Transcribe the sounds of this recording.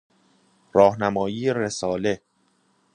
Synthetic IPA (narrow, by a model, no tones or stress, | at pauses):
rɒːhnæmɒːjiːeɾesɒːle